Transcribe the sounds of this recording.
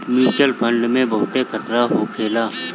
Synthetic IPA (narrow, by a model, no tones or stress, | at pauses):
miːt͡ʃəlpʰə̃ɳɖmẽbɐɦʊt̪ekʰət̪ɾaɦokʰeːlaː